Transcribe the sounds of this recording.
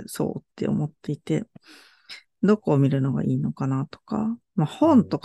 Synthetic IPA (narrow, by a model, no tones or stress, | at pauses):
so̞̰ːt̪ːe̞̰o̞̰mo̞t̪ːe̞it̪e̞ | d̪o̞koːmʲiɾɯ̟no̞ɡa̰ʔiːno̞kanat̪o̥ka̰ | mahõ̞nt̪o̞k